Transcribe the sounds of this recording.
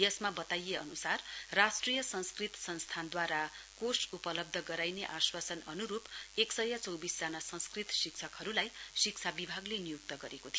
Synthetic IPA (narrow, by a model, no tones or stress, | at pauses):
jʌsmabʌt̪ajeʌnusarrasʈrijʌsʌ̃nskrit̪sʌnst̪ʰand̪waɾakosupʌlʌb̚d̪ʱʌɡʌɾajneʔaswasʌnʌnuɾupeksʌjat͡sʌwbisd͡zanasʌ̃nskrit̪siksʰʌkɦʌɾulajsik̚t͡sʰabibʱaɡlenijuk̚t̪ʌɡʌɾekot̪ʰij